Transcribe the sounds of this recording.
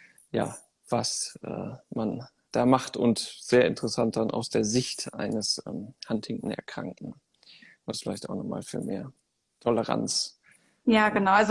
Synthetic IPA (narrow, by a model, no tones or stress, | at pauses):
ja̰ː | v̥asʔɛ̰ːman | d̥aːmaχtʊ̰nsz̥eːɐɪ̰ntəʁəsant̚d̥anʔa̰ʊsd̥eːɐzɪçtʔa̰ɪnəsʔɛ̰mhanthɪŋŋ̩ɛ̰ɐkʁ̥a̰ŋkŋ̩ | vasfɪla̰ɪçtaʊxnɔχma̰ːlfyːɐmeːɐ | tʰɔləʁa̰nt͡s | jaːɡənaʊʔalz